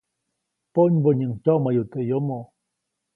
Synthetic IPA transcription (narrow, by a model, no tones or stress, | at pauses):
poɲboɲəŋt͡ʃomajut̪əjomo